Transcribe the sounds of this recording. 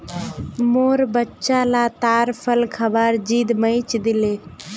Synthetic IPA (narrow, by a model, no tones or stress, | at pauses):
moːɾbətːʃalat̪aːɾpʰəlkʰəbaɾd͡ʒiːd̪məɪt͡ʃd̪ɪleː